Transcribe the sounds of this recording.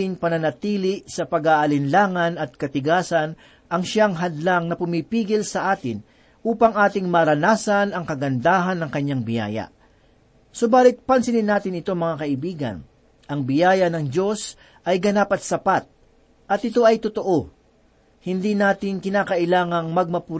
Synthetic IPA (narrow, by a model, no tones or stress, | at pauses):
ɪŋpɐnɐnɐt̪iːlɪʔsɐpɐɡaːʔɐlɪnlaːŋɐnɐt̪̚kɐt̪ɪɡaːsɐn | ʔɐŋʃaŋɦɐd̪laŋnɐpʊmipiːɡɪlsɐʔaːt̪ɪn | ʔuːpɐŋʔaːt̪ɪŋmɐɾɐnaːsɐnɐŋkɐɡɐnd̪aːɦɐnːɐŋkɐɲːaŋbɪja̰ːjɐ̰ | so̞baːlɪt̪̚pɐnsɪnɪnːaːt̪ɪnɪt̪o̞mɐŋakɐʔɪbiːɡɐ̰n | ʔɐŋbɪjaːjɐnɐŋd͡ʒo̞s | ʔɐjɡɐnaːpɐt̪̚sɐpat̪̚ | ʔɐt̪̚ɪt̪o̞ʔɐjt̪ot̪o̞ʔo̞ | hɪnd̪inaːt̪ɪŋkɪnaːkɐʔɪlaːŋɐŋmɐɡ̚mɐpʊ